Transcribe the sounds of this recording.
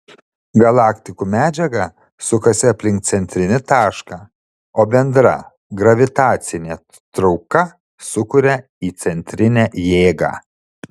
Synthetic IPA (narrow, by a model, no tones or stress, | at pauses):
ɡɐlˠɑːkt̪ʲɪkuːmʲæːd͡ʒʲɛɡɐ | sʊkɐsʲɪɐpʲlʲɪŋk̚t̪sʲɛnʲt̪ʲɾʲɪnʲɪt̪ɑːʃkɑː | oːbʲɛnd̪ɾɐ | ɡɾɐʋʲɪt̪ɑːt̪sʲɪnʲeː | t̪ɾɒʊkɐ | sʊkʊɾʲɛ | iːt̪sʲɛnʲt̪ʲɾʲɪnʲæːjeːɡɑ̰ː